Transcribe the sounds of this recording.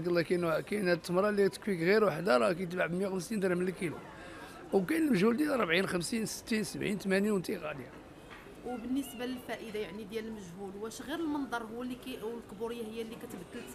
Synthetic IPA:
ɡəlːɑkænkænhæt̪ːəmɾˤɑlːit̪ə̥kwikɣiɾwaħd̪aɾˤɑkæjət̪baʕbəmjawxəmsint̪ɾæmənlkilṵ | wkænəlməʒhuld̪jælɾˤbʕinxəmsinsə̥t̪ːinsəbʕint̪mænjwənt̪iqɑd̪jæ | wbənːəsbaləlfæʔəd̪ajaʕnid̪jæləlməʒhulwæʃɣiɾəlmənd̪ˤɑɾˤɦuwːliwlqbuɾəjːahəjːælːikæt̪bəd̪ːəlt̪

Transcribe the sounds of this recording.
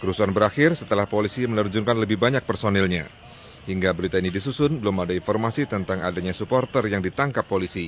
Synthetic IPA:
kəɾusuanbəɾaxɪrsət̪əlahpolisimələrd͡ʒuŋkanləbɪhbaɲak̚pərsonɛlɲa̰ | hiŋɡabəɾit̪ainidisusʊnbəlʊmadainfɔrmasit̪ənt̪aŋadaɲasupɔrt̪ərjaŋdit̪aŋkapːolisi

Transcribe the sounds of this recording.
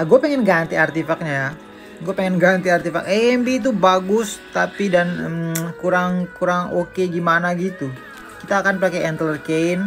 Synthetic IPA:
aɡuapeŋɪnɡant̪iart̪ifak̚ɲaja | ɡuapeŋɪnɡant̪iart̪ifa̰kɛɛmbiːt̪̬ubaɡʊst̪apidanəmkuɾaŋkuɾaŋokeɡimanaɡit̪u | kit̪aːkanpakɛɛnt̪ələrkeɪn

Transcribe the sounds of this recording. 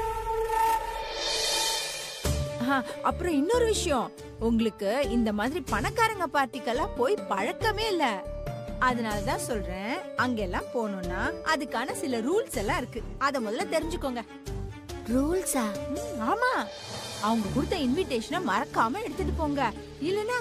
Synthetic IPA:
aːʔɐpːɯɾɔ̃ɪnːɔɾɯʋɪʂɐjɔ̃ | ʊŋɡɐɭɯkːɯɪnd̪ɐmaːðɪɾipɐɳɐkːaːɾɐŋɡɐpaːɾʈ̪ɪkːɐlːãːpoːjpɐɻɐkːɐmeːɪlːɐ | ɐðɐnaːlɐt̪ãːsɔlɾẽːɐŋɡeɛlːãːpoːnʊ̃nːaːɐðɯkːaːnɐsɪlɐɾuːlsɛlːãːɪɾɯkːɯ | ɐðɐmɔðɐlɐt̪ɛɾɪɲd͡ʒɯkːoːŋɡɐ | ɾuːlsaːaːmaː | ɐʋɐŋɡɐkʊɾɯt̪ːɐɪnʋɪʈːeːʂɐnɐmɐɾɐkːaːmɐɛɽɯt̪ːɯʈːɯpoːŋɡɐ | ɪlːɐnːaː

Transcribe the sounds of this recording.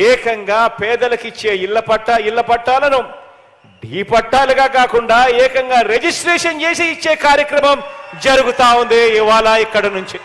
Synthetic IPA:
ɛːkɐŋɡaːpɛːd̪ɐlɐkit͡ʃːe̞ːilːɐpɐʈːailːɐpɐʈːaːlɐnu | ɖiːpɐʈːaːluɡaːkaːkuɳɖaːɛːkɐŋɡaːɾed͡ʒisʈɾeːʂɐnt͡ʃeːseit͡ʃːeːkaːɾjɐkɾɐmɐmd͡ʒɐɾuɡut̪aːund̪eːiʋaːlaːikːɐɽɐnuɲt͡ʃi

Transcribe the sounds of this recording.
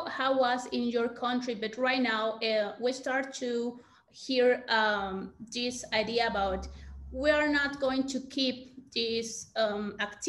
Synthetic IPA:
hawasɪ̃njɔɹkʰʌ̃ntɹibʌtɹajtnawwistaɹt̪ʰːu | hiɹ | ðisajd̪iaːbawt̪wiaɹnat̪ɡoɪ̃ŋtʰukʰip̚ðisakt̪

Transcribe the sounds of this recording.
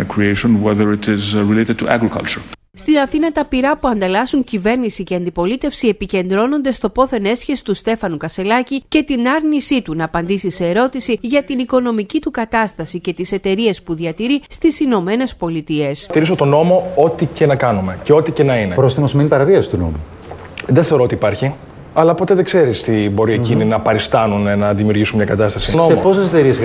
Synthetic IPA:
kʰɹieɪʃõnwɛðəɹɪtɪzɹileɾɪd̚tʰuʔæ̰ɡɹikʰɐ̰lt͡ʃə˞ | st̪inɐθinɐt̪ɐpiɾɐpuɐnd̪ɐlɐsuɲcive̞ɾnisice̞ɐnd̪ipo̞lit̪e̞fsie̞pice̞nd̪ɾo̞no̞nd̪e̞st̪o̞po̞θe̞ne̞sçesi̥t̪ust̪e̞fɐnukɐst̪e̞lɐcice̞t̪inɐɾnisit̪unɐːpɐnd̪isise̞ːɾo̞t̪isiʝɐt̪iniko̞no̞micit̪ukɐt̪ɐst̪ɐsice̞t̪ise̞t̪e̞ɾie̞spuðiɐt̪iɾist̪isino̞me̞ne̞spo̞lit̪ie̞st̪iɾiso̞t̪o̞no̞mo̞o̞t̪ice̞nɐkɐnume̞ceo̞t̪ice̞nɐinepɾosθimozminipɐɾɐviɐsi̥t̪uno̰mu | ðeθe̞o̞ɾot̪iːpɐɾçi | ɐlɐpo̞t̪e̞ðe̞ɡ̥se̞ɾist̪ibo̞ɾiecininɐpɐɾist̪ɐnunenɐðimiuɾʝisunmɲɐkɐt̪ɐst̪ɐsinoepo̞seset̪eɾies

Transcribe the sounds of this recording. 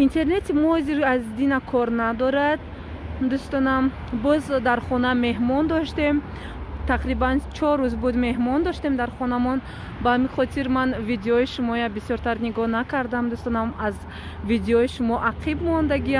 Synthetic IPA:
int̪ʰe̞ɾne̞t̪ʰimɔhɔziɾazd̪inakʰɔɾnad̪ɔɾad̪̚ | d̪ust̪ɔnam | bɔzd̪aɾχɔname̞ɦmɔnd̪ɔʃt̪e̞m | t̪ʰaqɾibant͡ʃʰɔɾːuzbud̪me̞ɦmɔnd̪ɔʃt̪e̞md̪aɾχɔnamɔn | bahamiχɔt̪ʰiɾmanvid̪eɔiʃumɔjabisjɔɾt̪ʰaɾniɡɔnakʰaɾd̪amd̪ust̪ɔnamaz | vid̪eɔiʃumɔʔaqʰibmɔnd̪aɡia

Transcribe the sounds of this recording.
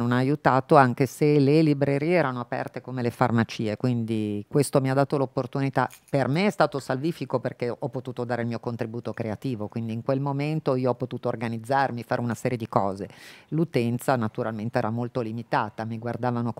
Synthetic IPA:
nonaːjut̪aːt̪oaŋkeselelibɾeɾiːeɛːɾanoapɛ̰rt̪ekomelefa̰rmat͡ʃiːekwind̪ikwest̪omiad̪ːaːt̪olopːort̪unit̪a̰permeɛst̪aːt̪osalviːfikoperkeɔpːot̪uːt̪od̪aːɾeilmiːokont̪ɾibuːt̪okɾeat̪iːvokwind̪iːŋkwelmoment̪oiːoɔpːot̪uːt̪oːrɡanid̪zːarmifaːɾʔeunasɛːɾjed̪ikɔːzelut̪ɛnt̪sanat̪uɾalment̪eɛːɾamolt̪olimit̪aːt̪amiɡward̪aːvanok

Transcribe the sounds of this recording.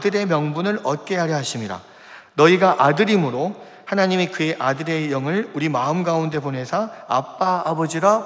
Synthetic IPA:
dɯɾe̞mjʌŋbunɯɾʌt̚k͈e̞aɾjʌɦaɕʰimiɾa̰ | nʌiɡaʔadɯɾimɯɾo | hanaɲimikɯe̞ʔadɯɾe̞jʌŋɯɭuɾimaɯmɡaunde̞bone̞sʰʌap͈aːbʌd͡ʑiɾa

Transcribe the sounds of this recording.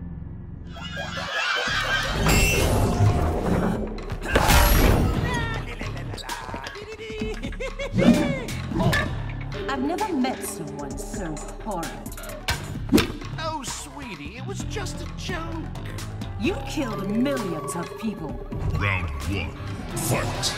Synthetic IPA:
aɪvnɛvə˞mɛtsʌ̃mwʌ̃nsoʊ | fɔɹɨ̰̃d̥ | oʊswiɾiɪt̚wʌzd͡ʒʌstɨt͡ʃʰõʊ̃n̰ | jɨkʰɪlˠdmɪlˠjɨ̃nzʌv̥pʰipəl̩ˠðɨ̰̃nbiɪ̰̃ŋ | fɛ̰t

